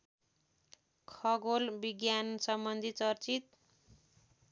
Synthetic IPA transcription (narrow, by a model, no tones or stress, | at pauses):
kʰʌɡolbiɡjansʌmbʌnd̪ʱit͡sʌrt͡sit̪